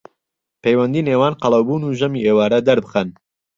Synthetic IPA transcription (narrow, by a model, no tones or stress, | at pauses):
pejwɐnd̪iːneːwaːnqɑlˠɐwbuːnuːʒɐmiːʔeːwaːɾɐd̪ɐɾbɨxɐn